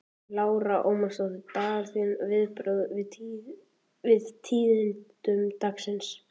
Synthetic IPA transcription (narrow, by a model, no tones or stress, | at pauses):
laːwɾaʔowmast̪awðɪt̪aːɾθinvɪðpɾœðvɪ | vɪðt̪ʰiːðɪntt̪ʏmt̪aksɪns